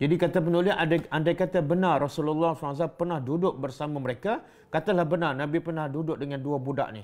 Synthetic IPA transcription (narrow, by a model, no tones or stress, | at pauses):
d͡ʒadikat̪ap̬ənulɪsadaʔandajkat̪abənarrasululːɔslas̬apərnahdudʊʔ̚bərsamaməɾeka | kat̪alahbənarnãbipərnahdudʊʔ̚dəŋãnduabuda̰ʔni